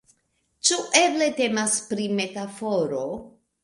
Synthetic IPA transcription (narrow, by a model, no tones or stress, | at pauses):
t͡ʃuʔe̞ble̞te̞maspɾime̞tafo̞ɾo